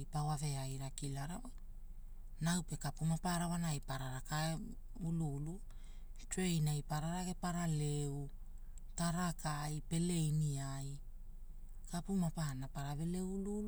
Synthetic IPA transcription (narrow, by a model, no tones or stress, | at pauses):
jpawave̞ajɾakilaɾawaj | nawpe̞kapumapaɾawanajpaɾaɾaka | ululu | twejnajpaɾaɾaɡe̞paɾaleu | taɾakajpe̞le̞jniaj | kapumapaanapaɾaβe̞le̞wululu